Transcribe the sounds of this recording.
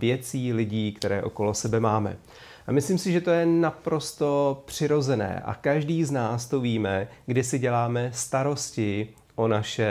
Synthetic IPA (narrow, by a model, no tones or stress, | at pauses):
vjɛt͡siːlɪɟiːkt̪ɛɾɛːʔo̞ko̞lo̞sɛbɛmaːmɛ̰ | ʔamɪsliːmsɪʒɛt̪o̞jɛnapɾo̞st̪o̞pr̝̥ɪɾo̞zɛnɛ̰ːʔa̰kaʒdiːznaːst̪o̞viːmɛɡdɪsɪɟɛlaːmɛst̪aɾo̞scɪ | ʔo̞naʃɛ